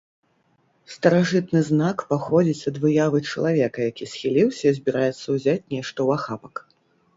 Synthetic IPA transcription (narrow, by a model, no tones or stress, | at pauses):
st̪ɐɾaʐɨt̪nɨznakpaxɔd͡zʲit͡sʲɐd̪vɨjavɨt͡ʂɐlˠavʲɛkɐjakʲisʲxʲilʲiwsʲɐzʲbʲiɾajɛt̪sːɐwzʲat͡sʲnʲɛʂt̪ɐwaxapɐ̥k